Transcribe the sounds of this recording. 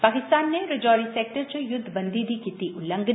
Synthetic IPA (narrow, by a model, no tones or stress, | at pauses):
paːkɪst̪aːnːeɾɪd͡ʒɔːɾiseːk̚ʈəɾt͡ʃəjʊd̪ʱːbɐ̃nd̪ʱid̪ʱikit̪iʔʊlə̃ŋɡ